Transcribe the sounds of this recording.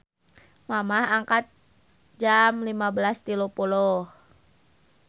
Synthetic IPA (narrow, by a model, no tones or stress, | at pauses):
mamahaŋkat̪̚ | d͡ʒamlimabəlast̪ilopulɔh